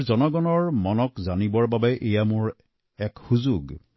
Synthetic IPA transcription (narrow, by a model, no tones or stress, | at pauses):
ɹzɔnɔɡɔnɔɹmɔnɔkzanibɔɹbabɛʔejamʊɹ | ɛkhuzuɡ